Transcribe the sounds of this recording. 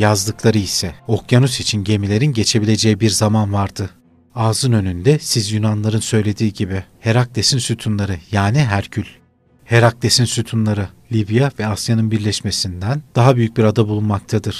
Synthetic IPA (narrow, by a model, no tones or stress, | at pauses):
jazd̪ɯklˠaɾɯisɛo̞kjanusit͡ʃʰinɟe̞milʲe̞ɾinɟe̞t͡ʃʰe̞bilʲe̞d͡ʒejibiɾzamanvaɾd̪ɯ | aːzɯnønynd̪ɛsizjynanlˠaɾɯnsø̞jlʲe̞d̪iːɟibɪhe̞ɾak̚d̪e̞sinsyt̪ʰunlˠaɾɯjaːniɦæɾcʰylʲ | he̞ɾak̚d̪e̞sinsyt̪ʰunlˠaɾɯlʲibjavɛasjanɯnbiɾlʲɛʃme̞sind̪ænd̪̥aɦabyjyc̚biɾad̪abulˠunmak̚t̪ʰad̪ɯɾ̥